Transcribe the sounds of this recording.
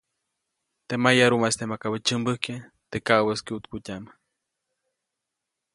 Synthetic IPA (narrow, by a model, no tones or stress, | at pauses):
t̪emajaɾumast̪emakabət͡ʃəmbəhke | t̪ekawəskiut̪kutʲama